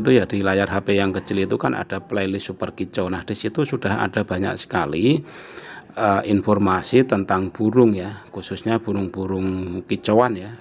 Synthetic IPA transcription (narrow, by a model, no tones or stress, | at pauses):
t̪ujadilajarɦapejaŋkət͡ʃilit̪ukanʔa̰d̥aplailisupərkit͡ʃonahd̥isit̪usud̥aha̰d̥a̤b̥a̤ɲa̰ksə̥kali | əʔinfɔrmasit̪ənt̪aŋb̥uɾʊŋjakususɲab̥uɾʊŋb̥uɾʊŋkit͡ʃowanja